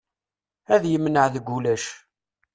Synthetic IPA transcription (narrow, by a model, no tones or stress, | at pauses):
æðjəmːnəʕðəɡʷːulæʃ